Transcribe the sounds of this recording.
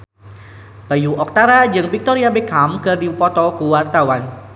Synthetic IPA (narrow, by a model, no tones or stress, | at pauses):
b̥ajuʔɔk̚t̪aɾad͡ʒɨŋbik̚t̪oɾiabekamkɨrdipɔt̪ɔkuwart̪awan